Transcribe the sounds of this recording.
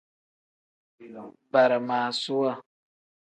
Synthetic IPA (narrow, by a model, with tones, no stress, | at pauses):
ba˨ɾa˨maː˨su˦wa˦